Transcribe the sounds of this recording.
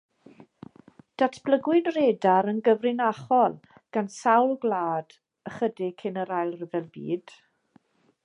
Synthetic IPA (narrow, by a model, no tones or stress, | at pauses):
d̥atʰb̥ləɡwɪnreːdaɾənɡəvrɪnaχɔlˠ | ɡ̥ansawlˠɡlˠaːd̥ | əχədɪkʰɪnəɾajlˠrəvɛlˠbḭːd̥